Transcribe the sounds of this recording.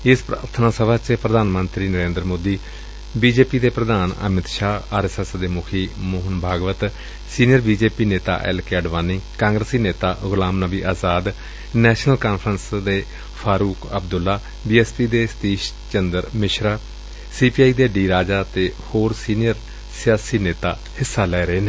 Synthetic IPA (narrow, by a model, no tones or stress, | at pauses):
ɪspaːɾt̪ʰənaːsəbʱaːt͡ʃpɾəd̪ʱaːnmənt̪ɾiːnəɾẽːnd̪ɾmoːd̪iː | biːd͡ʒeːpiːd̪eːpɾəd̪ʱaːnə̰mɪt̪ʃaːaːɾɛsɛsd̪eːmʊkʰiːmoːɦənbʱaːɡʋət̪ | siːnijəɾbiːd͡ʒeːpiːneːt̪a̰ːʔɛ̰lkɛːɖʋaːnːiːkãːŋɡɾəsiːneːt̪aːɣʊlãːmnəbiːʔaːzaːd̪ | nɛːʃnəlkaːnpʰɾənsd̪eː | pʰaːɾuːkəbd̪ʊlːaː | biːɛspiːd̪eːst̪iːʃ | t͡ʃənd̪əɾmɪʃɾaː | siːpiːaːiːd̪eːɖiːɾaːd͡ʒaːt̪eːhoːɾsiːnɪjəɾ | sɪjaːsiːneːt̪a̰ː | hɪsːaːlɛːɾəeːneː